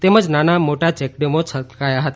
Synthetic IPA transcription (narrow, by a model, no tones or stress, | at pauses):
t̪eməd͡ʒnanamoʈat͡ʃɛk̚ɖemot͡ʃʰət̪kajaɦət̪a